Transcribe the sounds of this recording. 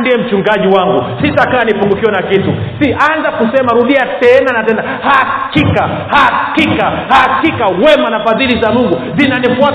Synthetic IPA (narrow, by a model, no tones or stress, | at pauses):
ndiɛm̩t͡ʃuŋɡaʄiwaŋɡusitakaanipuŋɡukiɔnakitusiʔanzakusɛmaɾuɗiatɛnanatɛna | hakika | hakikahakikawɛmanafaðilizamuŋɡuzinanifua